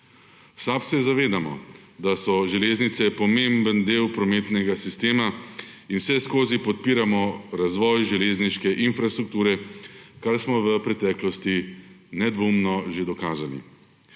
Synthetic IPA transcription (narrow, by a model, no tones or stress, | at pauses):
sapsɛzaʋeːd̪amɔ̰ | d̪asɔʒɛleːznit̪sɛpɔmembənd̪eːwpɾɔmeːt̪nɛɡasist̪eːmainwsɛskoːzipɔt̪̚piːɾamɔɾazʋɔːjʒɛleːzniʃkɛʔinfɾast̪ɾuk̚t̪uːɾɛkaɾsmɔʋəpɾɛt̪ɛːklɔst̪inɛd̪ʋoːmnɔʒed̪ɔkaːzalḭ